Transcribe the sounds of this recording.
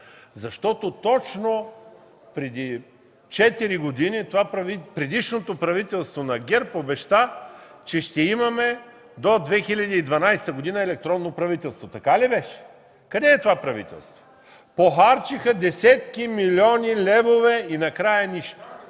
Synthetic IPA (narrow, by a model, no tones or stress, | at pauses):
zɐʃt̪ɔt̪ot̪ɔt͡ʃno | pɾɛd̪i | t͡ʃɛt̪iɾiɡod̪init̪ovapɾɐvipɾɛd̪iʃnot̪opɾɐvit̪ɛlˠst̪vonɐɡʲɛɾpobɛʃt̪at͡ʃɛʃt̪ɛimɐmɛ | d̪od̪vɛxilʲɐd̪iːd̪vɐnajst̪əɡod̪inəɛlɛk̚t̪ɾɔnːopɾɐvit̪ɛlˠst̪vot̪ɐkalibɛʃɛ̥ | kɐd̪ɛːt̪ovapɾɐvḭt̪ɛ̰lˠst̪vo̥ | poxaɾt͡ʃixəd̪ɛsʲɛt̪̚kimilʲɔnʲilʲɛvovɛinɐkɾajɐniʃt̪o̥